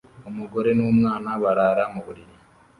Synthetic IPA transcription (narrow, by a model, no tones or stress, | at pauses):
omuɡo̞ɾe̞nomŋaːnaβaɾaːɾamuβuɾiɾi